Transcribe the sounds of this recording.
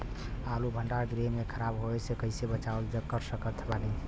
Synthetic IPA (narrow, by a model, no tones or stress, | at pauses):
alubʱəɳɖaɾɡɾemːekʰəɾabɦoesekəɪsebət͡ʃaəld͡ʒəkːəɾsəkət̪ʰbani